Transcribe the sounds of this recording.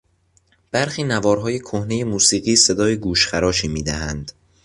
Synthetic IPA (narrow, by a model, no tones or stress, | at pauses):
b̥æɾxiːnævɒːɾɦɒːje̞kʰohne̞jemuːsiːɣiːse̞d̪ɒːjeɡuːʃxæɾɒːʃiːmiːd̪æɦænd̪̥